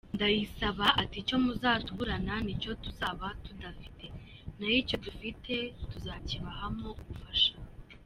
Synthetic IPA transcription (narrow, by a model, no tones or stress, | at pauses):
ndajisaβaʔatico̞muzaːtuβuɾananico̞tuzaβatudafi̥tʰe̞ | najico̞dufitʰe̞tuzaːciβahamo̞ɡufaʃa